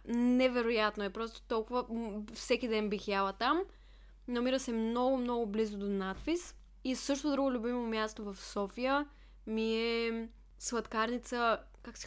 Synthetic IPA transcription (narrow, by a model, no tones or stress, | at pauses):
nɛvɛɾojat̪noɛpɾɔst̪o̥t̪ɔlˠkʊvəfsɛkid̪ɛnbixjalˠət̪am | nɐmiɾəsɛmnɔɡʊmnɔɡʊblizod̪onat̪fis | isɤʃ̬t̪od̪ɾuɡʊlʲʊbimomʲjast̪ovɐfsɔfijə | miɛ | svˠɐt̪kaɾnit̪sə | kaksi̥